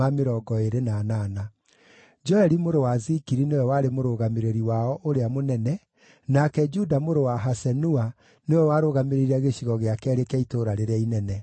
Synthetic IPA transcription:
ameɾɔɡɔeɾenaːnaːna | d͡ʒɔɛɾimoɾowazikiɾinewɛwaɾemoɾoːɣameɾeɾiwaɔʔoɾeamonɛnɛ | nakɛd͡ʒudamoɾowaɦasɛnua | newɛwaɾoːɣameɾeɾiaɣeɕiɣɔɣeakɛːɾekɛitoːɾaɾeɾeainɛnɛ

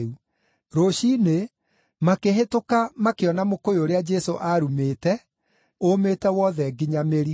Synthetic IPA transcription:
u | ɾoɕine | makeɦetokamakeɔnamokojoɾead͡ʒɛsoʔaɾumeːtɛ | ometɛwɔðɛɡiɲameɾi

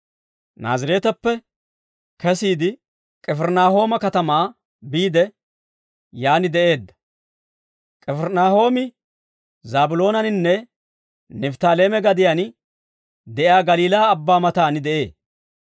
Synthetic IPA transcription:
na̰ːzɪɾe̞ːt̪ɐpːɛ | kɛsiːd̪ɪ | kʼɛfɛɾnaːɦo̞ːmɐkɐt̪ɐmaː | biːd̪ɛ | jaːnɪd̪ɛʔe̞ːd̪ːɐ̥ | kʼɛfɛɾnaːho̞ːmɪ | zaːbʊlo̞ːnɐnɪnːɛ | nɛft̪aːle̞ːmɛɡɐd̪ɪjan | d̪ɛʔjaːɡɐliːlaːbːaːmɐt̪aːnɪd̪ɛʔe̞ː

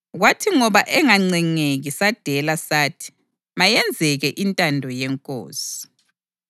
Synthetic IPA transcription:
watʰiŋɔβaʔɛŋaŋ͡ǀɛŋeɣisad̥ʱɛlasaːtʰi̥ | majɛnd͡zʱɛɣɛʔintʼandʱɔjɛŋkʼo̰ːsi̥

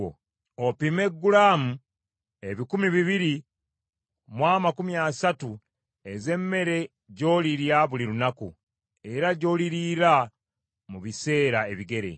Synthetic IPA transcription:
opime̞ɡːulaːmu | e̞βikumiβiβiɾi | mwaːmakumjasatu | e̞ze̞mːe̞ɾe̞ | ɟo̞ːliɾjaβuliɾunaku | e̞ɾaɟo̞ːliɾiɾa | muβise̞ːɾae̞βiɡe̞ɾe̞̰

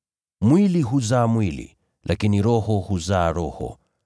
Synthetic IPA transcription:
mwiliɦuzaːmwilḭ | lʔakiniɾɔhɔhuzaːɾɔhɔ̰

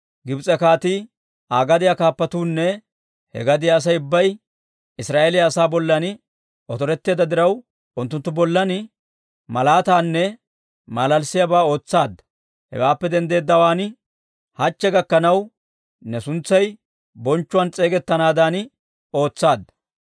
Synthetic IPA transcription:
ɡɪbt͡sʼɛkaːt̪i | aːɡɐd̪ɪjɐkaːpːɐt̪uːnːɛ | hɛ̰ɡɐd̪ɪjaːs̬ɐjʊbːɐj | ɪsɾaːʔelɪjaːsaːbɔlːɐn | ɔt̪ɔɾɛt̪ːe̞ːd̪ɐd̪ɪɾɐw | ʊnt̪ːʊnt̪ːʊbɔlːɐn | mɐlaːt̪aːnːɛ | maːlɐlsɪjɐbaːo̞ːt͡sːaːd̪ːɐ̥ | hɛ̰waːpːɛd̪ɛnd̪e̞ːd̪ːɐwaːn | hɐt͡ʃːɛɡɐkːɐnɐw | nɛsʊnt͡sːɐj | bɔnt͡ʃːʊwɐnt͡sʼe̞ːɡɛt̪ːɐnaːd̪aːn | o̞ːt͡sːaːd̪ːɐ̥

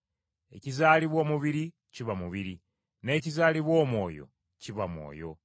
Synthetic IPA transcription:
e̞̰cizaːliβwo̞ːmuβiɾi | ciβamuβiɾi | ne̞ːcizaːliβwo̞ːmwo̞̰ːjo̞̰ | ciβamwo̰ːjo̞̰

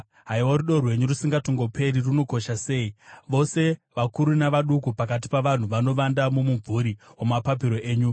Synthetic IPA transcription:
ɦaiwoɾuɗo̞rwe̞ɲuɾusiŋɡatoŋɡo̞pʰe̞ɾiruno̞ko̞ʃase̞ːiʋo̞se̞ʋakuɾunaʋaɗukupakat̬i̥paʋan̤uʋano̞ʋandamomuvuɾiwomapapiɾo̞ʔe̞ːɲu

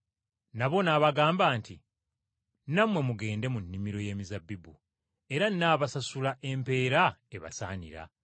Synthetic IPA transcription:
naβo̞naːβaɡaːmbaːnti | namwe̞muɡe̞ːnde̞munːimiɾo̞je̞ːmizabːibu | e̞ɾanːaːβasasulaʔe̞mpe̞ːɾae̞βa̰sa̰ːnḭɾa̰

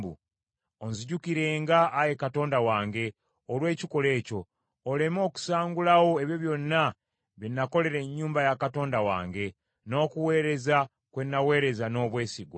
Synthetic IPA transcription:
bṵ | onziɟukiɾe̞ːŋɡaʔːje̞kato̞ːndawaːŋɡe̞ | olwe̞ːciko̞le̞ːco̞ː | le̞mo̞ːku̥saːŋɡulawo̞e̞βjoβjo̞nːa | βinːako̞le̞ɾe̞ɲːuːmbajakato̞ːndawa̰ːŋɡe̞ | no̞ːkuwe̞ːɾe̞za | kwe̞nːawe̞ːɾe̞zano̞ːβwe̞ːsiɡwa

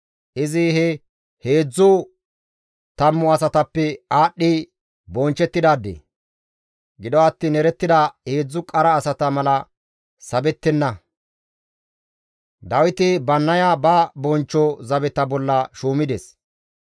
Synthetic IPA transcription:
ʔɪzɪhɛ | he̞ːd͡zːʊ | t̪ɐmːʊɐsɐt̪ɐpːɛaːɗːɪ | bɔnt͡ʃːɛt̪ːɪd̪aːd̪ːḛ | ɡɪd̪ɔɐt̪ːiːnɛɾɛt̪ːɪd̪ɐhe̞ːd͡zːʊkʼɐɾɐːsɐt̪ɐmɐlɐ | sɐbɛt̪ːɛnːɐ | d̪ɐwɪt̪ɪbɐnːɐjabɐbɔnt͡ʃːɔzɐbɛt̪ɐbɔlːɐʃuːmɪd̪ɛs

